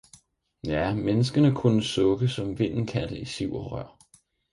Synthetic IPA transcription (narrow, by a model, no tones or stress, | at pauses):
jæmenəsɡ̥ənəkʰunəsɔ̽ɡ̥əsɒ̽mʋe̝n̰n̩kʰæd̥əisiʊ̰ɒʁɶɐ̰